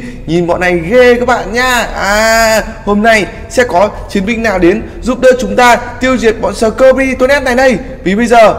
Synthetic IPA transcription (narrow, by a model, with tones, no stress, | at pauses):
ɲi˨˩nɓɔ̰˧˨nːa˨˩jɣe˧kaː˨˦˥k̚ɓa̰ː˧˨nɲaː˧ʔaː˨˩ | ho˧mna˧j | sɛ̰˧˥kɔ˨˦t͡ɕi˨˦ənmï˧˨ŋ̟naː˨˩wɗe˨˦n | zu˧˥p̚ɗəː˧t͡ɕʊ˨˦ŋ͡mt̪aː˧t̪i˧əwzi˨˩ət̚ɓɔ̰˧˨nsəː˨˩kəː˧ɓi˧t̪o˧˦nʔɛ˧nt̪a̰ː˧˨jɗə˧j | vi˨˩ɓə˧jzəː˨˩